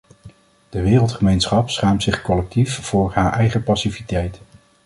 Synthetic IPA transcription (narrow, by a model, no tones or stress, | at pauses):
d̥əʋɪːrəlˠtχəmejnsχɑpsχaːmtsɪχkɔlɛk̚tifv̥ʊːɹɦaːɹʔɛjχəpɑsivitɛjt